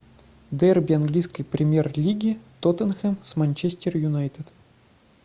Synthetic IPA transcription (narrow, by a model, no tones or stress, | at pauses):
d̪ɛrbʲɪanɡlʲijskəjpɾʲɪmʲjerlʲiɡʲɪt̪ot̪ənxəmsmɐnʲt͡ɕesʲtʲɪrjʊnajt̪ɨt̪